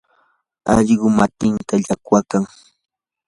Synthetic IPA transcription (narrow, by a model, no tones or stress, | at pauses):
a̰ʎɢʊmat̪ɪnt̪aʎakwakaŋ